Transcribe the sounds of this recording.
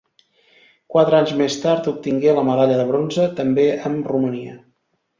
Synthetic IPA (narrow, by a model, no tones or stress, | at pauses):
kwat̪ɾəaɲzmest̪aɾt̪up̚t̪iŋɡeləməðaʎəðəβɾonzət̪əmbeʔəmruməniə̰